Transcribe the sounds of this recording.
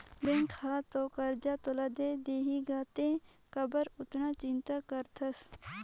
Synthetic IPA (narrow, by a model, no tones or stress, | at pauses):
beŋkʰaːt̪okɐɾd͡ʒaːt̪olaːd̪ed̪eːɦiɡaːt̪ẽ | kɐbəɾʊt̪nat͡ʃɪnt̪akɐɾt̪ʰɐs